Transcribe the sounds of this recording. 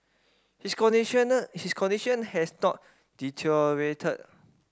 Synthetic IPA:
his | hiskʰɔ̃ndiʃə̃nhɛsnɔt̚ | d̥itʰɛɹetʰə̰t̚

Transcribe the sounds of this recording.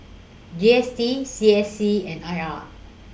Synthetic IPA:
d͡ʒiɛstisiɛsiɛ̃naɪa

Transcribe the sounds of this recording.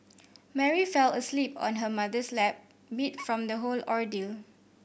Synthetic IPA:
mɛɹifɛləslipɔ̰̃nɦəmadəslɛp̚ | mitfɹɔ̃md̪əɦolɔɹdil

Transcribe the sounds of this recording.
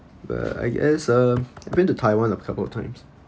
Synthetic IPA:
b̥a̰ta̰ɪɡɛ̰sʌavbĩntutʰaɪwãnɔvəkʰapəlɔtʰãɪ̃ms

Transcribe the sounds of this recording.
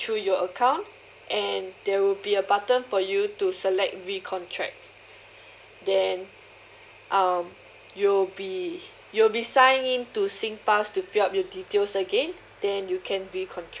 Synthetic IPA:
tʰɹujɔəkʰãw̃n | ʔɛ̃ndɛwilbiəbatə̃nfɔjutusəlɛk̚tɹikʰɔ̃ntʰɹɛ̰k̚t | dɛ̃n | ʔam | jubi | julbisãɪ̃ŋĩntusĩŋpastufiap̚jɔditelsəɡẽn | d̥ɛ̃njukʰɛ̃nɹikʰɔ̃ntʰɹɛ

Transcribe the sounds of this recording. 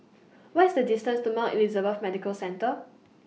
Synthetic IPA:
watɪsdədistə̃nstumãʔḭlizəbəfmɛdikəlsɛ̃ntə

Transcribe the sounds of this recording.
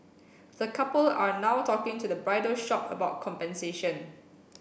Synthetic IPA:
dəkʰapəlanawtʰɔkɪ̃ŋtudəbɹaɪdəʃɔpə̰baʊt̚kʰɔ̃mpɛ̃nseʃə̃n

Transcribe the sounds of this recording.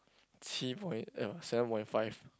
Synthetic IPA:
tʰipʰɔ̃j̃nɛsɛvə̃npɔ̃j̃ntfaɪv̥

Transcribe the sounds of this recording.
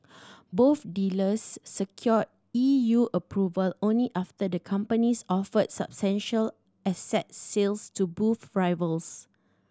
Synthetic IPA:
boθdiləsːəkʰjɔd̚ | ijuʔəpʰɹuvəlõnliʔaftədəkʰãmpənisɔfədsa̰b̥stɛ̃nʃəl | ɛsɛt̚selstubufɹajvəls

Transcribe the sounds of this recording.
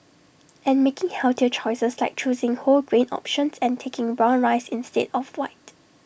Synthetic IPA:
ʔɛ̃nmekɪ̃ŋhɛltiət͡ʃʰɔɪsəslaɪk̚t͡ʃuzɪ̃ŋholɡɹẽnɔ̰pʃə̃nsɛ̃ntʰekɪ̃ŋɹãnɹaɪsɪ̃nstḛdɔfwaɪt

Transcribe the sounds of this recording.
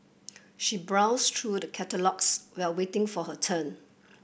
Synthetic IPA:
ʃibɹaʊstʰɹudəkʰɛtəlɔkswɛlwetɪ̃ŋfɔɦətʰə̃n

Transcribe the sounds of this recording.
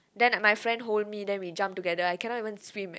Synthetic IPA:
dɛ̃nmajfɹɛ̃ndɦold̚midɛ̃nwid͡ʒãmp̚tuɡɛdəajkɛ̃nɔtivə̃nswĩm

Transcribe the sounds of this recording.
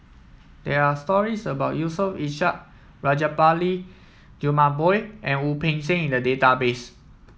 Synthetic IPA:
d̥ɛɹastɔɹisəbaʊt̚jusəfiʃaʔ̚ | ɹad͡ʒapali | d͡ʒumãbɔjʔɛ̃nupẽnsẽŋĩndədetabes

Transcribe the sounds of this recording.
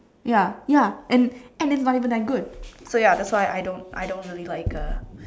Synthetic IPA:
jajaʔɛ̃nɛ̃nɪts̬nɔɾivə̃nd̪ɛt̚ɡud̥̚sojadɛtswaɪʔa̰jdõʊnta̰jdõʊ̃ntɹililaɪkʌ

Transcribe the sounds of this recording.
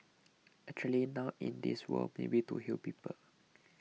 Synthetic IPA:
ɛk̚t͡ʃuəlinaʊʔḭ̃ndiswə̰lmḛbituhilpiːpəl

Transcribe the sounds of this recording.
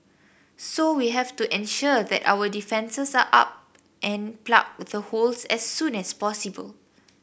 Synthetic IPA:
sowiɦɛvtuʔɛ̃nʃuðɛ̰ta̰wədifɛ̃nsəsaʔa̰p̚ | ʔɛ̃npla̰k̚ðəholsɛsːũnɛspɔsibə̰l

